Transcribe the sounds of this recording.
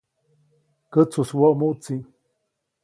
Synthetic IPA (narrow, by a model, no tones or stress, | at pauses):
kət͡suswoʔmuʔt͡si